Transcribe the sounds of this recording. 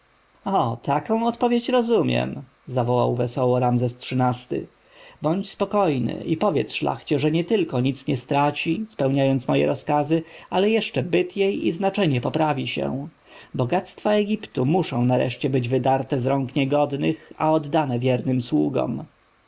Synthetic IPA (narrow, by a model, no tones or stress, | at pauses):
ɔt̪ʰakɔ̃w̃ɔt̪pɔvʲjet͡ɕɾɔzumʲjɛ̰m | zavɔwa̰wvɛsɔwɔɾamzɛstʂɘnast̪ɘ̰ | bɔɲt͡ɕspɔkɔjnɘ̰ʔipɔvʲjɛt̪sʂla̰xt͡ɕɛʐɛɲɛt̪ɘlkɔɲit̪sɲɛst̪ɾat͡ɕispɛwɲajɔnsmɔjɛ̰ɾʔɔskazɘalɛjɛʂt͡ʂɛbɘt̪jejiznat͡ʂɛɲɛpɔpɾavʲiɕɛ̰ | bɔɡat̪st̪faɛɡʲipt̪umuʂɔ̃w̃naɾɛ̰ʂt͡ɕɛbɘd͡ʑvɘd̪aɾt̪ɛzɾɔŋkɲɛɡɔd̪nɘxa̰ɔd̪ːanɛvʲjɛɾnɘmswuɡɔ̰m